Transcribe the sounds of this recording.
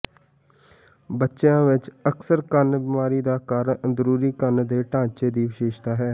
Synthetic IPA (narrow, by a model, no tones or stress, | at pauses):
bətːʃjãːʋɪt͡ʃəksəɾkənbimaːɾiːd̪aːkaːɾzəɾuːɾiːkənd̪eːʈãːt͡ʃeːd̪iːʋɪʃeːʃt̪aːɦɛː